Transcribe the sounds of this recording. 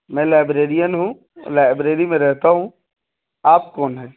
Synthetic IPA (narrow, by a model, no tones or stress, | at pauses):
mɛ̃laːɪbɾeːɾijənɦṵ̃ | laːɪbɾeːɾimẽɾɛɦt̪aɦũ | aːp̚kɔːnɦɛː